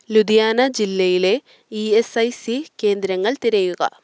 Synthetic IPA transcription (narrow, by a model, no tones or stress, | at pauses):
lud̪ijaːnɐd͡ʑilːɐjile̞ | iesɐjsike̞ːnd̪ɾɐŋːɐɭt̪iɾɐjuɡɐ̰